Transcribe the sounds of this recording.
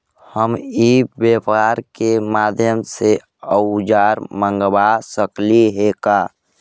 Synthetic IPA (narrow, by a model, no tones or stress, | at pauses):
həmiːbjeːpaːɾkemaːd̪ʱjəmse | əʊd͡ʒaːɾmə̃ŋɡbasəkliɦekaː